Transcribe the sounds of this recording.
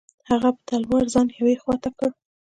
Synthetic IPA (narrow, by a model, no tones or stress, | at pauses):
haɣapə̥t̪alwaɾzɑnjawexwɑt̪akəɽ